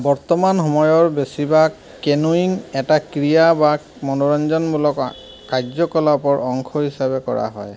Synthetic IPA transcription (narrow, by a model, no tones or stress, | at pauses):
bɔɹt̪ɔmanɦɔmɔjɔɹbesiba | kenuiŋɛtakɹijaba | mɔnɔɹɔnd͡ʒɔnbulɔk | kazɔkɔlapɔɹɔŋkʰɔɦisabɛkɔ̰ɹa̰ɦɔ̰j